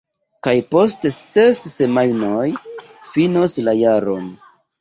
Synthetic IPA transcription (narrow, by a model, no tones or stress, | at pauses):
kajpo̞stese̞sːe̞majnoj | finoslajaɾon